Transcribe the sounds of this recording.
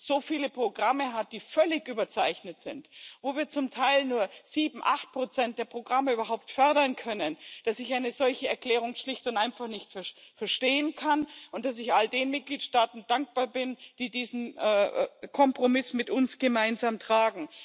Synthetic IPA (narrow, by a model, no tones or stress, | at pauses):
z̥oːfiːləpʁ̥oɡʁaməɦat̚d̥iːfœlɪçʔyːbɐt͡saɪçnətz̥ɪntvoːviːɐt͡sʊmtʰaɪlnuːɐz̥iːbm̩ʔa̰χt̚pʁ̥ot͡sɛnt̚d̥eːɐpʁ̥oɡʁaməyːbɐɦaʊp̚tfœɐɾɐnkʰœnənd̥asɪçʔaɪnəzɔlçəɛɐkl̥ɛːʁ̞ʊŋʃlɪçtʊntʔaɪnfaχnɪçtfɛɐfɛɐʃteːənkʰanʊnt̚d̥as̬ɪçʔaldeːnmɪt̚ɡ̥liːtʃtaːtn̩d̥aŋk̚b̥aːɐbɪnd̥iːdiːzn̩ʔɛkʰɔmpʁ̥omɪsmɪtʊnsɡ̥əmaɪnzaːmtʁ̥aːɡŋ̩